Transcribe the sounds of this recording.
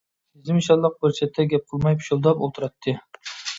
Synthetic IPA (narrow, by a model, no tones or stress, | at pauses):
bɪzɪmʃɑlˠːəq̚bøɾt͡ʃʰɛt̪ʰːɛɡʲɛp̚qʰəlˠmɑjpʰʃolˠd̪ɑpolˠt̪ʰuɾɑt̪ʰːɨ